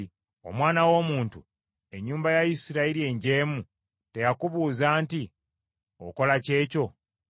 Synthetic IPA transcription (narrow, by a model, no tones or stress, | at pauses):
o̞̰mwaːnawo̞ːmuːntu | e̞ɲːuːmbajajisiɾaiɾie̞ɲɟe̞ːmu | te̞jakuβuːzaːnti | o̞̰ko̞lace̞ːco̞